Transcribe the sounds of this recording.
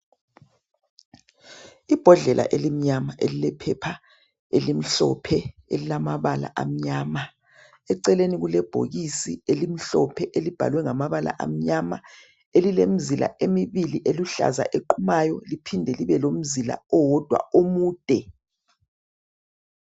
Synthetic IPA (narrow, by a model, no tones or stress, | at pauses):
ib̥ʱɔɮɛlʔa̰ʔelim̩ɲamaʔelilɛpʰɛpʰa | elim̩ɬɔ̰pʰɛelilamaβala̰ʔam̩ɲama | ɛǀɛleniɣulɛb̥ʱo̰ɣisielim̩ɬɔpʰɛʔelib̥ʱa̰lwɛŋamaβala̰ʔa̰m̩ɲama̰ | elilem̩zila̰ʔemiβiliʔeluɬa̰za̰ʔeǃʰumajɔlipʰindʱɛliβɛlom̩zila̰ɔwɔd̥ʱwa̰omuːd̥ʱɛ